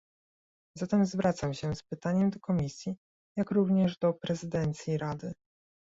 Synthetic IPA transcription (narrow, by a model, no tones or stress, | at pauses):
zat̪ɛmzvɾʔat̪samɕɛspɘt̪aɲɛmd̪ɔkɔmʲisʲji | jakɾuvɲɛʐd̪ɔpɾɛzɘd̪ɛnt̪sʲjiɾad̪ɘ